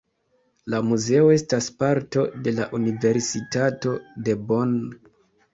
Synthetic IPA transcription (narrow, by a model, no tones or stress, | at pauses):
lamuze̞o̞e̞staspaɾto̞de̞laʔunive̞ɾsitato̞de̞bon